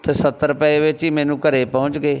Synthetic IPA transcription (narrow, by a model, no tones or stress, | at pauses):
t̪eːsət̪ːəɾpɛːeʋɪt͡ʃɦiːmɛ̃ːnũːkəɾeːpɔːʊ̃t͡ʃɡeː